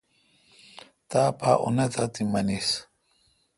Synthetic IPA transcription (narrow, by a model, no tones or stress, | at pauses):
t̪apʰaʔṵnet̪at̪imɐnis